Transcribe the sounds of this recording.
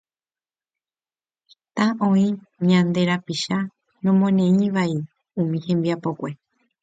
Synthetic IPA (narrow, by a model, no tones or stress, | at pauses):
t̪ãʔõĩ | ɲãnd̪e̞ɾapiʃa | nõmõnẽ̞ĩʋai | ũmĩhẽ̞mbiapo̞kʷe̞